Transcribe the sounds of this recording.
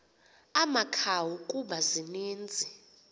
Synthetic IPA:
amakʰawukʼuɓazineːnd͡zʱɛ

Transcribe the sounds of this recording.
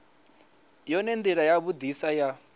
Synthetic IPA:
jɔnɛnd̪iɺajaβud̪isaja

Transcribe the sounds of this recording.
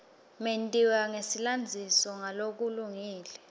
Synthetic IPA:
mentʼiwaŋesiland͡zʱisɔŋalok̬uluŋiːlɛ

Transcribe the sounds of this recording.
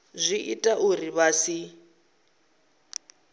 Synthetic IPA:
zʷiʔitʼaʔuriβasi

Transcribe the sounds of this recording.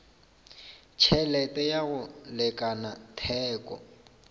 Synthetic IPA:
t͡ʃʰɛlɛtʼɛjaɣʊlɛkʼanatʰɛːkʼɔ̰

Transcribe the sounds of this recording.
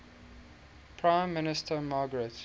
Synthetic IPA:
pʰɹãɪ̃mːɪnɪstʰəmɑːɡəɹɛt

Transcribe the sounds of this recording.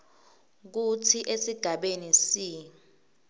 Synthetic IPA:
k̬utʰiʔesiɡ̥ʱaɓenisiː

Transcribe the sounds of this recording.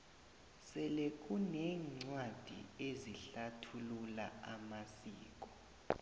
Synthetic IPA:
sɛlek̬ʼunɛːŋ͡ǀwad̥ʱḭeziɬatʰulula̰amasiːk̬ʼɔ̥

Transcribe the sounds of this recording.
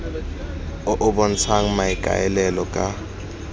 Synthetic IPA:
ɔʔɔɓɔn̩t͡sʰaŋ̩maikʼa̰jɛlɛlɔkʼa

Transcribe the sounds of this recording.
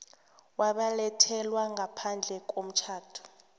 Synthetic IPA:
waɓalɛtʰɛlwaŋɡʱapʰand͡ɮʱɛk̬ʼom̩t͡ʃʰaːtʰu̥

